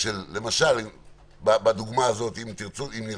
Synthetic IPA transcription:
ʃelːe̞maʃali | babad̪uɡmaːzo̞t̪imt̪iʁt͡suimni

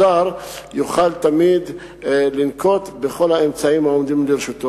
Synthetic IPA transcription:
aɾjuχalt̪amid̪ | linkʰo̞t̪beχo̞laemt͡saimaomd̪imleɾeʃut̪o

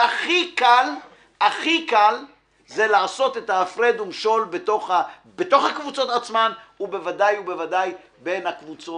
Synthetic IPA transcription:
aχikal | aχikal | ze̞laːso̞t̪e̞t̪aːfʁed̪umʃo̞lbetoχa | bet̪o̞χhakvut͡so̞t̪at͡smanube̞vadajube̞vadaj | be̞nhakvut͡so

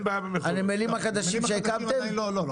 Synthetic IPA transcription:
babmanimelimaχad̪aʃimʃeekavt̪emlolo

